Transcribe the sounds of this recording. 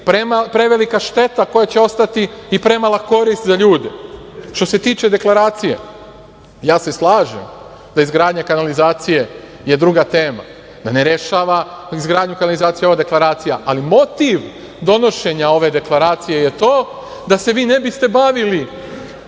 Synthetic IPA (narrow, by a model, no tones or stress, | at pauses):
pɾemapɾe̞ʋe̞likaʃt̪e̞t̪ako̞jat͡ɕeo̞st̪at̪iipɾe̞malˠako̞ɾist̪zaʎuːd̪e̞̰ | ʃt̪o̞se̞t̪iːt͡ʃe̞d̪e̞klˠaɾaːt̪sije̞̰ | jaːseslˠaːʒḛm | d̪aizɡɾaːd̪ɲakanalizaːt̪sije̞ | je̞d̪ɾuɡat̪e̞ːma̰ | d̪ane̞ɾe̞ʃaːʋaizɡɾaːd̪ɲukanalizaːt̪sijeo̞ʋad̪e̞klˠaɾaːt̪sijaʔalimo̞t̪iʋ | d̪o̞no̞ʃe̞ɲao̞ʋe̞d̪e̞klˠaɾaːt̪sijejet̪o̞ː | d̪ase̞ʋiːne̞bist̪e̞baʋili